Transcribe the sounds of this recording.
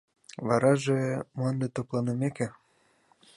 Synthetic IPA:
βɑɾɑʒemoɑnd̪et̪oplɑnɤmekĕ

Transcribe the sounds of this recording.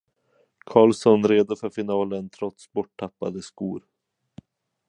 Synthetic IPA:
kʰɑːlsɔnɾeːd̪ʊfœɾfɪnɑːlənt̪ʰɾɔt̪sbɔʈʰːapːa̰d̪əskṵːɾ

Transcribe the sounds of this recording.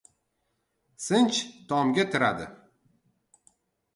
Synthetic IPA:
sɪnt͡ʃt̪ʰɒmɡʲat̪ʰɪɾad̪ɪ̰

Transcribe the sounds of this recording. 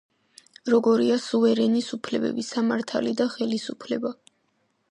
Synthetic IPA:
ɾɔɡɔɾiasuvɛɾɛnisupʰlɛbɛ̰bisamaɾt̪ʰa̰lid̪aχɛlisupʰlɛba

